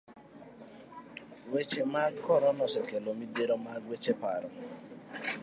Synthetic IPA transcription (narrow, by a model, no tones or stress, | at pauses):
wet͡ʃemakɔɾɔnɔsɛkelomideɾomaɡwet͡ʃepaɾɔ